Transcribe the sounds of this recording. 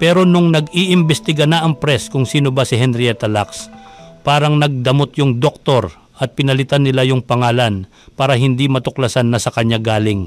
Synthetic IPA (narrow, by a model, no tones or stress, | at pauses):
pɛːɾo̞nʊŋnɐɡiʔɪmbɛst̪ɪɡanɐʔɐŋpɾɛskʊŋsiːnobɐsɪɦɛnɾɪɛt̪ɐlakspaːɾɐŋnɐɡ̚d̪ɐmo̞t̪jʊŋd̪ok̚t̪o̞ɾ | ʔɐt̪̚pɪnɐlɪt̪anːɪlajʊŋpɐŋaːlɐn | paːɾɐɦɪnd̪imɐt̪ʊklɐsanːɐsɐkɐɲːaɡaːlɪŋ